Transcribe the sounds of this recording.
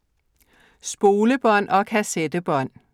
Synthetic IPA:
sb̥o̝ːləb̥ɒ̽n̰ʔɒ̽kʰæsed̥əb̥ɒ̽n̰

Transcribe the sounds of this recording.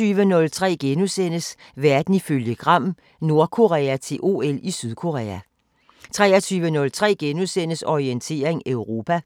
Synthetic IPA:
yːʋənɔ̽lt͡sʰʁɛ̰ːɡ̥enusen̰əs | ʋæɐd̥n̩iføljəɡ̥ʁɑ̈m̰ | no̝ɐkʰo̝ʁɛːæt͡sʰe̝lʔo̝ːelisyðˠkʰo̝ʁɛ̰ːæ | t͡sʰʁɛ̰ːɐt͡sʰyːʋənɔ̽lt͡sʰʁɛ̰ːɡ̥enusen̰əsɒʁient͡sʰe̝̰ːɐeŋøʊʁo̝ːpʰæ

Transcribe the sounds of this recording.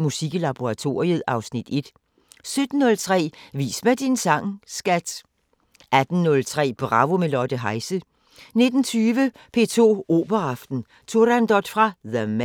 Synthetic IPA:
musiɡ̥lɑb̥oʁɑ̈t͡sʰo̝̰ːɐiəð̩ˠɑ̈ʊsnid̥e̝d̥ | sød̥n̩ːɔ̽lt͡sʰʁɛ̰ːʋḭːsmæd̥insɑ̈ŋsɡ̥æd̥ | ʔæd̥n̩nɔ̽lt͡sʰʁɛ̰ːb̥ʁɑ̈ʋo̝melɒd̥əɦɑ̈ɪsə | ne̝d̥n̩t͡sʰyːʋəpʰe̝̰ːt͡sʰo̝̰ːo̝̰ːb̥ɐɑfd̥n̩ | t͡sʰoɐdænd̥ɒd̥fʁɑ̈ðəm

